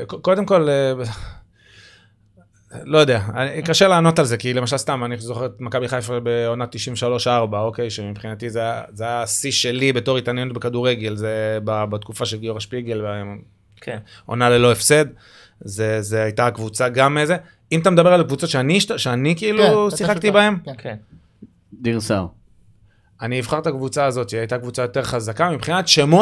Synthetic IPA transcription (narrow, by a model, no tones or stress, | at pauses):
koko̞d̪e̞mko̞le | lo̞jod̪eaanikaʃelaːno̞t̪alze̞kilemaʃalst̪amanizoχeet̪makabiχajfbeonatːiʃiɱveʃalo̞ʃaʁbaoke̞jʃemipχinat̪izeajazeajasisʃe̞libe̞to̞ʁit̪anjenot̪bekad̪uʁeɡe̞lzebabat̪kufaʃe̞lɡioʁaʃpiɡe̞lbe | o̞̰nalelo̞efse̞d̪ | zezeajt̪akvut͡saɡameze | imatamed̪abe̞alkvut͡sotʃeaniʃtaʃeanikiilusiχakkt̪ibae̞m | d̪iʁsaʁ | aniːvχaʁtakvut͡saːzo̞t̪iajt̪akvut͡sajo̞t̪e̞ʁχazakamipχinat̪ʃemo